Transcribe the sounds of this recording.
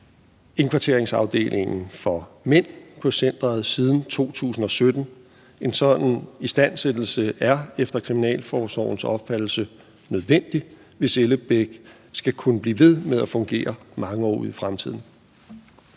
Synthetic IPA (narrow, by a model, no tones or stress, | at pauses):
e̝ŋkʰʋɑ̈t͡sʰe̝ɐeŋsɑ̈ʊd̥e̝̰ːlʔe̝ŋn̩fɒ̽men̰pʰɒ̽sen̰d̥ʁɐð̩ˠsiːð̞ˠn̩t͡sʰo̝̰ːt͡sʰṵːsn̩ɒ̽sød̥n̩ | e̝nsɒ̽d̥n̩isd̥æn̰sed̥l̩səæɐefd̥ɐkʰʁiminɛ̰ːlfɒːsɒ̰ʊn̩sɒ̽b̥fæd̥l̩sə | nøðˠʋen̰d̥i | ʋe̝seləb̥eɡ̥ | sɡ̥ækʰunəb̥lḭːʋe̝ð̞ˠmeðˠæfɔ̽ŋɡ̥e̝̰ːɐmɑ̈ŋəɒ̰ːuð̩̰ˠifʁamt͡sʰið̰ˠn̩